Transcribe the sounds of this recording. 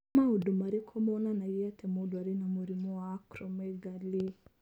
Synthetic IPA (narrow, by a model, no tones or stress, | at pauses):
maudumaɾikʰɔmɔnanaiatɛmodwaɾinamuɾimɔaːkɾɔmɛɡali